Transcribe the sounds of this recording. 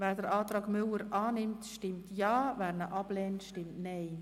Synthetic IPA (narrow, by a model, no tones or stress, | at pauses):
vɛːɾdəɾʔɑːtɾɑːɡmʏləɾʔaːnɪmtʃtɪmtjɑːvɛːɾnəʔɑb̥lɛːntʃtɪmtnɛɪ